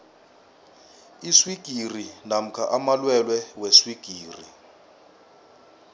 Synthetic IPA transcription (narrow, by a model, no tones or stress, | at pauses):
iswiɡ̥ʱirinam̩kʰaʔamalwɛlwɛweswiɡ̥ʱiːrḭ